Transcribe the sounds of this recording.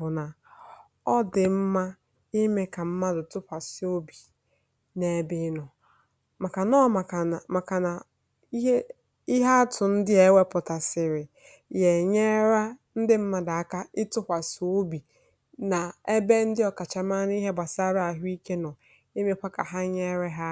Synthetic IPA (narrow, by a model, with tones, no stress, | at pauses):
ʊ˨na˨ | ɔ˦dɪ˨m̩˦ma˦ | i˦me˦ka˨m̩˦ma˦dʊ˨tʊ˦ɸʷa˨si˨o˦bi˨ | ne˨˦bɪ˦nɔ˨ | ma˨ka˨nɔ˦ma˨a˨ma˨ka˨na˨˦ | i˦ɦa˦a˦tʊ˨n̩˦dɪ˦e˨˦we˦pʊ˨ta˨sɪ˨ɾɪ˨ | je˨ɲe˦ɾa˦n̩˦dɪ˦m̩˦ma˦da˨a˦ka˦ɪ˦tʊ˦hʷa˨so˦bi˨ | na˨e˦be˦n̩˦dɪ˦ɔ˨ka˨t͡ʃa˨ma˦n˦i˦ɦe˦ba˨sa˦ɾa˦a˨ɦʊ˦i˦ke˦nɔ˨ | i˦me˦kʷa˦ka˨ɦa˦ɲe˦ɾe˦ɦa˦